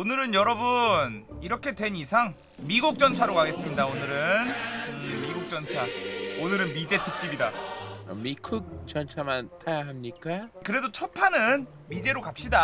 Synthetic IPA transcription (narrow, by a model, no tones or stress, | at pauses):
onɯɾɯnjʌɾʌbuniɾʌkʰe̞dwe̞nisʰaŋ | miɡuk̚t͡ɕ͈ʌnt͡ɕʰaɾokaɡe̞s͈ɯmɲidaonɯɾɯn | miɡuk̚t͡ɕ͈ʌnt͡ɕʰaonɯɾɯnmid͡ʑe̞tʰɯk̚t͡ɕ͈ibidaʌ̰mikʰɯk̚t͡ɕʌnt͡ɕʰamantʰajaɦamɲik͈akɯɾe̞dot͡ɕʰʌpʰanɯn | mid͡ʑe̞ɾokap̚ɕ͈ida